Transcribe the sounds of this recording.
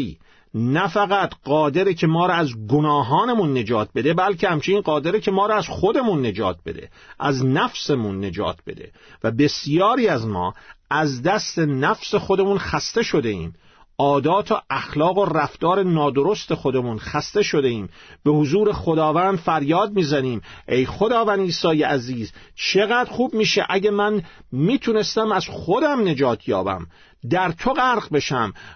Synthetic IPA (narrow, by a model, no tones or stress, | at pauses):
iː | næfæɣæt̪ɢɒːd̪e̞ɾicʰe̞mɒːɾɒæzɡonɒːɦɒːnemunːe̞d͡ʒɒːt̪̚ʰbe̞d̪e̞bælcʰehæmt͡ʃʰeniːnɢɒːd̪e̞ɾecʰe̞mɒːɾɒæz̥xo̞d̪e̞munːe̞d͡ʒɒ̰ːt̪̚b̥e̞̰d̪ḛ | ʔæznæfsemunːe̞d͡ʒɒ̰ːt̪̚ʰbe̞̰d̪e̞̰ | væbe̞sjɒːɾiːæzmɒ̰ːæzd̪æst̪e̞næfse̞xo̞d̪e̞munxæst̪e̞ʃo̞d̪e̞ḭːm | ɒːd̪ɒːt̪ʰoʔæxlɒːɣo̞ræft̪ɒːɾe̞nɒːd̪o̞ɾo̞st̪e̞xo̞d̪emunxæst̪e̞ʃo̞d̪e̞iːmbe̞hozuːɾe̞xo̞d̪ɒːvænd̪fæɾjɒːd̪̚miːzæniːmʔejxo̞d̪ɒːvænd̪iːsɒːjeʔæziːzt͡ʃʰe̞ɣæd̪ɾxuːbmiːʃḛʔæɟemænmiːt̪ʰune̞st̪æmæz̥χo̞d̪æmne̞d͡ʒɒːt̪ʰjɒ̰ːbæ̰m | d̪æɾt̪ʰo̞ɣæɾɣbe̞ʃæm